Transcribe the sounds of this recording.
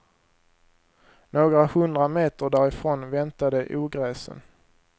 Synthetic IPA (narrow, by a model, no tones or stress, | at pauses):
noːɡɾahɵnd̪ɾameːt̪əɖæːɾɪfɾoːnvɛnt̪ad̪əʔuːɡɾɛːsə̰n